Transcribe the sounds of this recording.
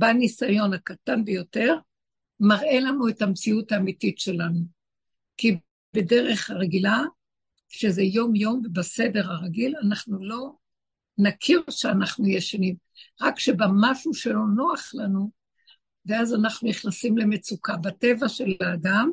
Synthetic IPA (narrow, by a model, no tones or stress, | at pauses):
banisajo̞nakatanbejo̞te̞ʁ | maʁe̞lanue̞tamt͡siutaːmititʃe̞lanu | ki | be̞de̞ʁeχhaʁeɡila | ʃezejo̞mjo̞mvebase̞de̞ʁaʁaɡilanaχnulo̞ | nakʰiʁʃeanaχnujeʃanim | ʁakʃebamaʃuʃelo̞no̞aχlanu | veazanaχnuniχnasimle̞met͡sukabate̞vaʃe̞laːdam